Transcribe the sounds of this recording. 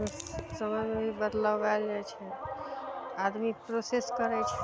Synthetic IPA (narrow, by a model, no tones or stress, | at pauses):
səməjmebʱibəd̪ləbald͡ʒat͡ʃʰɛ | ad̪mipɾoseskəɾɛt͡ʃʰɛ̥